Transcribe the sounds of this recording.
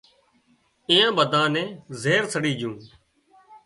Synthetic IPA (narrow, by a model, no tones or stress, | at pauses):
ĩːãːɓəd̪ʱãːnẽːzeːɾsəɽiːd͡ʒjũː